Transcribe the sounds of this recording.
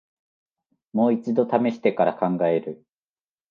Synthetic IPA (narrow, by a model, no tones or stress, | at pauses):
mo̞ːit͡sɨd̪o̞t̪ame̞ɕi̥t̪e̞kaɾakãŋɡae̞ɾɯ̟